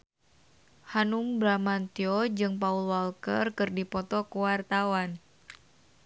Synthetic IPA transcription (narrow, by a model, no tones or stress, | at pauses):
hanumbɾamant̪iɔd͡ʒɨŋpaulwalkə̰rkɨrdipɔt̪ɔkuwart̪awan